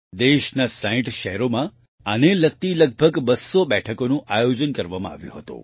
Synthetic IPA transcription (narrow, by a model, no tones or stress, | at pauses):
d̪eʃnasaĩʈʃɛɦɾomã | ənelək̚t̪iləɡ̚bʱəɡbəsobɛʈʰəkonũʔajod͡ʒənkəɾʋamã̰a̰ʋjṵ̃ɦət̪ṵ